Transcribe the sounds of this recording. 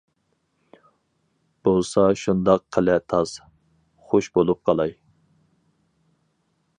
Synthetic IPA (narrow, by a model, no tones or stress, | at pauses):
b̥olˠsɑʃund̪ɑqqʰːəlɛt̪ʰɑs | χoʃbolˠup̚qʰɑlˠɑj